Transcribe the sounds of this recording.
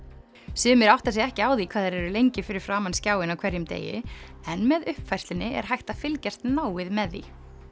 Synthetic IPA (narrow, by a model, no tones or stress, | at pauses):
sɪːmɪɾawht̪as̬jɛɣɛhcɪaːwðikʰvaːðɛɾɛɾʏlejɲcɪfɪɾɪɾ̥fɾaːmanscaːwɪnawkʰvɛɾjʏmt̪ḛːjɪ̰ɛnmɛðʏhpfajst̪ɪnɪʔɛ̰ɾ̥ɦajht̪afɪlcast̪naːwɪðmɛðːḭ